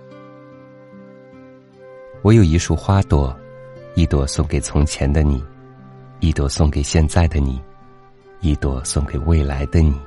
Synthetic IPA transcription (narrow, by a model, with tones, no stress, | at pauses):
wɔ˧˥jo˨˩ʊi˧˥ʂu˥˩xwa˥t̪wɔ˧˩i˥˩t̪wɔ˥˧˩sʊ˥˩˧ŋke˨˩ɪt͡sʰʊ˧˥ŋt͡ɕʰjɛ˧˥nd̪ə˧ni˨˩˦ | i˥˧t̪wɔ˥˧˩sʊ˥˩ŋke˨˩ɪɕjɛ˥˧nt͡sa˥˩ɪd̪ə˩ni˨˩˦ | i˥˩t̪wɔ˧˩sʊ˥˧ŋke˨˩ɪwe˥˩ɪla˧˥ɪd̪ə˧ni˨˩˦